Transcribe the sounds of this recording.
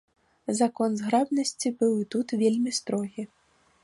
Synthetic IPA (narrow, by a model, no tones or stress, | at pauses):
zakɔnzɣɾabnɐsʲt͡sʲibɨwit̪ut̪vʲelʲmʲist̪ɾɔɣʲi